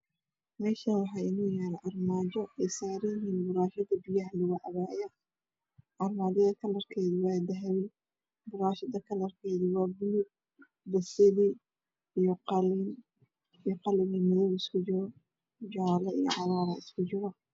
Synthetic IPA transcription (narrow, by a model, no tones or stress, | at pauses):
mɛːʃɐnwɑħɑːjɪnuːjaːɾʔɑrmaːd͡ʒɔɛsaːɾɪjɪɦiːnbʊɾaːʃɐd̪ɐbɪjɐɦlʊɣʊʕɑβaːjɐ | ʕɑrmaːd͡ʒɐðɐkʰɐlɐrkʰɛːðiwɑːd̪ɐɦɛwɪ | bʊɾaːʃɐðɐkʰɐlɐrkʰɛːðiwɑːɡʊlub̚ | d̪ɐsɐði | ijɔqɑliːn | ijqɑlɪːnimɪðɔwɪskʰʊd͡ʒɔɣɔ | d͡ʒɑlɐijɔ̰ʕɑɾaːɾɐɪskʰʊd͡ʒɪɣɐ